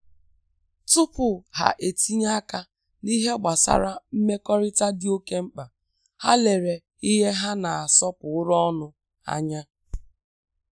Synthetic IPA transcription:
tʊ˦pʊ˨ɦa̰˨ʔe˨ti˦ɲa˦ka˦ | ni˦ɦe˦ɡ͡ba˨sa̰˦ɾa˦m̩˦me˦kɔ˦ɾɪ˦ta˦dɪ˦o˦ke˦m̩˦k͡pa˨ | ha˦le˨ɾe˨ | i˦ɦe˦ɦa˦na˨a˨sɔ˦pʊ˨ʊ˦ɾɔ˦ɔ˦nʊ˦ | a̰˦ɲa˦

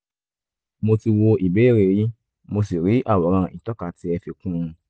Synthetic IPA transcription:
mo˧ti˧wo˧i˨be˦˨ɾe˨ji˦ | mo˧si˨ɾi˨˦ʔa˦˨wɔ˨˦ɾ̃ã˧˨ĩ˨tɔ˦ka˨˦ti˧˦ɛ˧fe˧kũ˦ɾ̃ũ˧

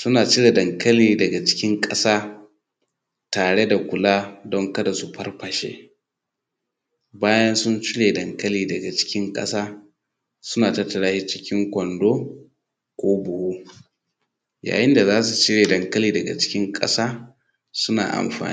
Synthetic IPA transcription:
sʊ˦naː˨t͡ʃɪ˦ɽe˨dɐ˨ŋkɐ˦liː˨dɐ˨ɡa˨t͡ʃɪ̥˦kʲɪ˦ŋkʼɐ˦saː˦ | taː˨ɽe˦da˨kʷʊ˨laː˦dɔ˦ŋkɐ˦da˨su˨ɸɐ˦rɸɐ˨ʃḛː˦ | baː˦jɐ˦nsʊ˦nt͡ʃɪ˦leː˨dɐ˨ŋkɐ˦liː˦dɐ˨ɡa˨t͡ʃɪ̥˦kʲɪ˦ŋkʼɐ̰˦saː˦ | sʊ˦naː˨tɐ˦tːɐ˨ɽaː˦hi˦t͡ʃɪ˦kʲɪ˦ŋkʷɔ˨ndoː˦ | kʷoː˦bʊ˨huː˦ | ja̰ː˨jɪ˦nda˨zaː˦su˨t͡ʃɪ˦ɽeː˨dɐ˨ŋkɐ˦liː˦dɐ˨ɡa̰˨t͡ʃɪ̥˦kʲɪ˦ŋkʼɐ̰˦saː˦ | sʊ˦na̰ː˨ʔa̰˨mɸa̰ː˨ni˦

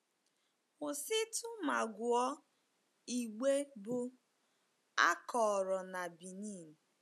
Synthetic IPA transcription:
ʊ˨sɪ˦tʰʊ˦ma˨ɡʷʊ˨ɔ˦ | i˨ɡ͡be˦bʊ˦ | a˦kɔ˨ɾɔ˨na˨bi˨ni˦˨m̩˨

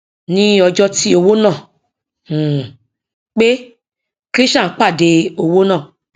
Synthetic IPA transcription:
nĩ˦ɔ˧d͡ʒɔ˦ti˦o˧wo˦nãː˦˨ | k͡pe˦ | kɾi˦ʃã˦˨˦k͡pa˦˨de˧o˧wo˦nã˦˨

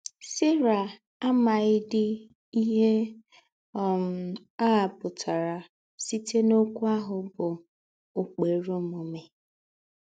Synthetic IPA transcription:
sɪ˦ɾa˨ | a˦ma˨ɪ˦dɪ˦ | i˦ɦe˦ | ɔ˨m̩˨ | a˦˨pʊ˨tʰa˨ɾa˨ | si˦te˦no˦kʷu˦a˦ɦʊ˨bʊ˨ | ʊ˨k͡pe˨ɾu˦mo˨me˨

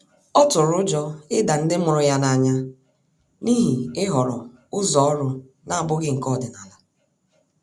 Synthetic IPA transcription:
ɔ˦tʊ˨ɾʊ˦d͡ʒɔ˦ɪ˦da˨n̩˦dɪ˦mʊ˨ɾʊ˨ja˦na˨ɲa˦ | ni˦ɦi˨ɪ˦ɦɔ˨ɾɔ˨ | ʊ˦zɔ˦ɔ˦lʊ˦ | na˦a˨bʊ˦ɡɪ˦ŋ̩˨kɔ˦˨dɪ˨na˨la˨

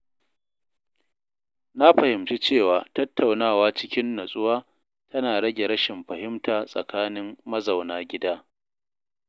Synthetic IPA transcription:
na˦ɸɐ˨hɪ˨mt͡ʃi˦t͡ʃeː˦˨waː˨tɐ˦tʰːa˨wnaː˦˨waː˦t͡ʃɪ˦kʲɪ˦nːɐ˨sʼʊ˦waː˦ | tʰɐ˦naː˨ɽɐ˦ɡʲe˨ɽɐ˦ʃɪ˨mɸɐ˨hɪ˦mtaː˨sʼɐ̰˨kʰaː˦nɪ˦mːɐ˦zɐ˨wnaː˦ɡʲɪ˦daː˦

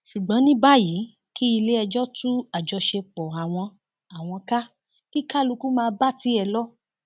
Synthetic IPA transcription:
ʃu˨ɡ͡bɔ̃˨˦nĩ˦ba˦˨ji˨˦ | ki˦i˧le˦ɛ˧d͡ʒɔ˦tũ˦a˨d͡ʒɔ˧ʃe˧k͡pɔ˨a˨w̃ɔ̃˧ | a˨w̃ɔ̃˧ka˦ | ki˦ka˦˨lu˧ku˦mãː˧˦ba˦ti˨˦ɛ˧lɔ˦

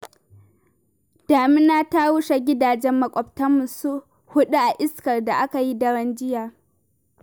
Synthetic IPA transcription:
d̥aː˨mɪ˦naː˦ta˦wʊ˦ʃa˨ɡʲɪ˦daː˨d͡ʒɛ˦mːɐ˨kʷʼɔ˨btɐ˦mʊ˨su˦ | hʊ˦ɗu˦ʔa˨ʔɪ˦skɐ˨rda˨ʔa˦ka˨ji˦dɐ˦ɽɐ˦nd͡ʒɪ˦jaː˨

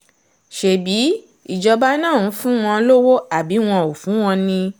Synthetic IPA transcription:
ʃe˨bi˨˦ | i˨d͡ʒɔ˧ba˦nã˦˨ũ˨˦fũ˦w̃ɔ̃˧lo˦wo˦a˨bi˨˦w̃ɔ̃˧o˨fũ˨˦w̃ɔ̃˧nĩ˧

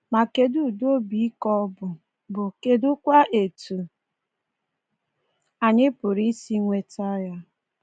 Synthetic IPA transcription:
ma˨ke˨du˦˨do˦bi˨˦kɔ˦bʊ˨ | bʊ˨ke˨dʊ˦kʷa˦ʔe˨tu˨ | a˨ɲɪ˦pʊ˨ɾi˦si˦ŋʷe˨ta˦ja˦

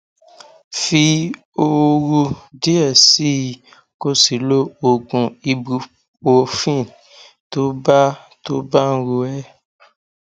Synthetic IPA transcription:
fi˧ | o˧ɾu˧di˦ɛ˦˨si˦ | ko˧si˨lo˦o˧ɡũ˧i˧bu˧ | o˧fĩ˦˨ | to˦ba˦ | to˦ba˦n̩˦˧ɾo˧ɛ˦

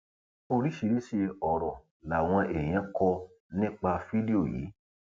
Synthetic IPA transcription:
o˧ɾi˨˦ʃi˧ɾi˦ʃe˧ɔ˨ɾɔ˨ | la˨w̃ɔ̃˧e˨j̃ɛ̃˨˦kɔ˧ | nĩ˦k͡pa˧fi˦di˦o˦˨jḭː˨˦

